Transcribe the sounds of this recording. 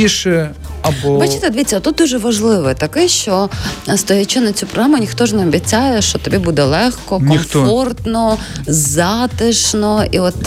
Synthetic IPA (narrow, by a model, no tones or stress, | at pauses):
iʃɛ | ɐbɔʋɐt͡ʃɪt̪ɐd̪ʋʲit͡sʲːɐt̪ut̪̚d̪uʒɛʋɐʒlˠɪʋɪt̪ɐkɪʃt͡ʃɔst̪ɔjɐt͡ʃʊnɐt͡sʲupɾɔɦɾamʊnʲixt̪ɔʒnɛɔbʲit͡sʲajɛʃt͡ʃɔt̪ɐbʲibud̪ɛlˠɛxkɔknɔimxfɔrt̪nɔzɑt̪ɪʃnɔiɔt̪